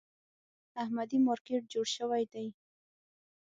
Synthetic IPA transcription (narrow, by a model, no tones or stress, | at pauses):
ahmad̪imɑɾkeʈ̚d͡ʒoɽʃəwajd̪aj